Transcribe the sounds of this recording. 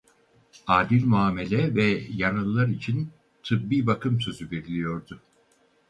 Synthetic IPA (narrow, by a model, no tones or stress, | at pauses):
aːd̪ilʲmuaːme̞lʲɛvɛjanɯlˠlːˠaɾit͡ʃʰin | t̪ʰɯbbiːbakʰɯmsø̞zyve̞ɾilʲijo̞ɾd̪ʊ